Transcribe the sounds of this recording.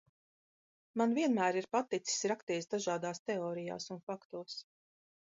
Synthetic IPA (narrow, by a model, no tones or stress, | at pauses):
manviɛnmæːɾiɾpat̪it̪si̥sɾakt̪iːsd̪aʒaːd̪aːst̪ɛɔːɾija̰ːsunfakt̪uɔs